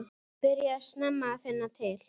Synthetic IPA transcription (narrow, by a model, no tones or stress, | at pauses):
pɪɾjasnɛmːaːθɪnːat̪ʰɪl̥